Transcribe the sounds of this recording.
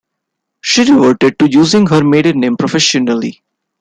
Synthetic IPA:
ʃiːɾɪʋoːʈeɖ̚ʈujuːzɪ̃ŋɡɦəɾmeːɖəɾnẽːmpɾofɛʃɔnəlḭ

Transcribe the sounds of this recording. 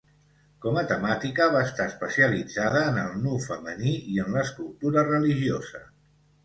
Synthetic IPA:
kɔmət̪əmat̪ikəβ̞aəst̪aəspəsiəlid͡zaðəːnəlˠnufəməniiənləːskulˠt̪uɾərəliʒiozə

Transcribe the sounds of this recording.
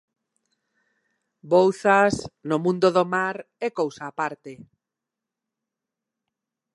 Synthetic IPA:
bowθasnomũnd̪oðomaɾ | ɛkowsaːpaɾt̪e

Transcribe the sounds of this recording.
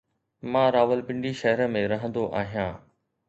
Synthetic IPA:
mãːɾaːʋəlpɪ̃ɳɖiʃɐɦəɾə̆mẽɾɐɦə̃nd̪oʔaːɦijãː

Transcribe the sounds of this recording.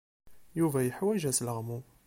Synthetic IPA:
juvæjəħwæʒæsləʁmu

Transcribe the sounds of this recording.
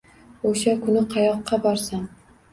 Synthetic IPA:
oʃakʰʊnɪqʰɑjɒqʰːɑbɒɾsam

